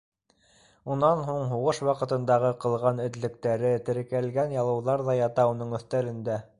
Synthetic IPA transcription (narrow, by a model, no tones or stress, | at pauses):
unɑnɦuɴɦuʁɤʃwɑqɤ̆t̪ɤ̆nd̪ɑʁɤqɤ̆lˠʁɑnɵ̆t̪lɘ̆k̚t̪æɾɘt̪ɘ̆ɾɘ̆kælɡænjɑlˠɤ̆wðɑɾðɑjɑt̪ɑunɤɴɵ̆θt̪ælɘ̆nd̪æ